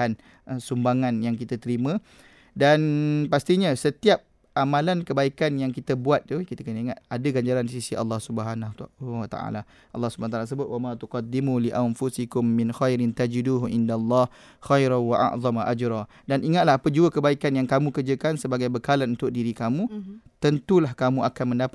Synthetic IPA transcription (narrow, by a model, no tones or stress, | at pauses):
an | əsumbaŋanjaŋkit̪at̪əɾimə̃ | danpast̪iɲasət̪iap̚ | ʔamãlankəbaikanjaŋkit̪əbuat̪̚ːukit̪akənəiŋat̪̚adaɡaɲd͡ʒaɾanisisiʔɑ̰lːɑhsubəɦanawat̪a̰ʔa̰la | ʔɑ̰lːɑhsubanat̪alas̬əbʊt̪wamãt̪uqɑd̪ːimuliʔanfusikʊmːɪnxajɾɪnt̪ad͡ʒiduːɦʔɪndalˤːɑh | xajɾanwaʔa̰ʔðˤɑmaʔad͡ʒɾɑ | danʔiŋat̪̚lahapəd͡ʒuəkəbaikanjaŋkamũkərd͡ʒəkansəbaɡajbəkalanunt̪ʊk̚diɾikamũt̪ənt̪ulahkamũakanmə̃ndapa